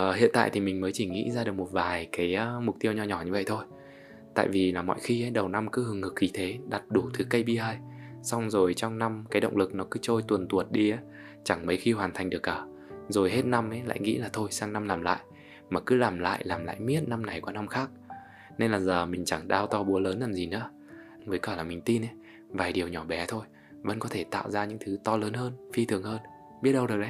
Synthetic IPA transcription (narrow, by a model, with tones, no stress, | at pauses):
hḭ˧˨ənt̪a̰ː˧˨jt̪ʰi˨˩mï˨˩ŋ̟məː˨˦jt͡ɕi˧˩ŋḭ˧˥zaː˧ɗɨ˨˩ək̚mo˨˩t̚vaː˨˩jkaː˨˦jaː˨˦mʊ˨˩k͡p̚t̪i˧əwɲɔ˧ɲɔ˧˩ɲɨ˧və̰˧˨jt̪ʰo˧j | t̪a̰ː˧˨jvi˨˩laː˨˩mɔ̰˧˨jxi˧ʔə˨˦jɗə˨˩wna˧mkɨ˨˦hɨ˨əŋhɨ˨˩k̚xi˨˦t̪ʰe˨˦ɗa˨˩t̚ɗu˧˩t̪ʰɨ˨˦kə˧jɓi˧həː˧jsa˧wŋ͡mzo˨˩jt͡ɕɔ˧wŋ͡mna˧mkaː˨˦jɗə̰˧˨wŋ͡mlɨ˨˩k̚nɔ˨˦kɨ˨˦t͡ɕo˧jt̪wə˨˩nt̪u˨˩ət̚ɗi˧əː˨˦ | t͡ɕa˧˩ŋmə˨˦jxi˧hwaː˨˩nt̪ʰa˨˩jŋ̟ɗɨ˨˩əkːəː˧˩ | zo˨˩jhe˦˥t̚na˧mʔə˨˦jla̰ː˧˨jŋḭ˧˥laː˨˩t̪ʰo˧jsaː˧ŋna˧mlaː˨˩mla̰ː˧˨jʔ | maː˨˩kɨ˨˦laː˨˩mla̰ː˧˨jlaː˨˩mla̰ː˧˨jmi˦˥ət̚na˧mna˨˩jkwaː˨˦na˧mxaː˦˥k̚ | ne˧nlaː˨˩zəː˨˩mï˨˩ŋ̟t͡ɕa˧˩ŋɗaː˧wt̪ɔ˧ɓu˨˦ələː˨˦nzaː˨˩mzi˨˩nɨ̰˧˥ə | vəː˨˦jkɔː˧˩laː˨˩mï˨˩ŋ̟t̪i˧nʔə˨˦ | vaː˨˩jɗi˨˩əwɲɔ˧˩ɓɛ˨˦t̪ʰo˧j | və̰˧˥nkɔ˨˦t̪ʰe˧˩t̪a̰ː˧˨wzaː˧ɲɨ̰˧˥ŋt̪ʰɨ˨˦t̪ɔ˧ləː˨˦nhəː˧nfi˧t̪ʰɨ˨˩əŋhəː˧n | ɓi˦˥ət̚ɗə˧wɨ˨˩əɗə˨˦